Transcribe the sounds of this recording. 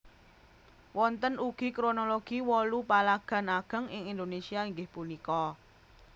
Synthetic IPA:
wɔnt̪ənuɡ̥i̤kɾonoloɡ̥iwɔlupalaɡ̥a̤naɡ̥ə̤ŋɪŋind̪onesiaiŋɡɪhpunikɔ

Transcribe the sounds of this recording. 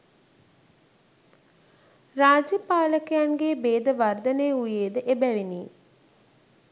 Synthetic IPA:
raːd͡ʒjəpaːləkejanɡeːbeːd̪əʋard̪ənejəujeːd̪əʔebæʋiniː

